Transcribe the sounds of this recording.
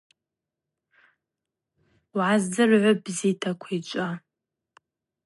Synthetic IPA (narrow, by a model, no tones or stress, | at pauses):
wʕazd͡zɨrʕʷʊbzitʰakʷʰait͡ʃʷʼa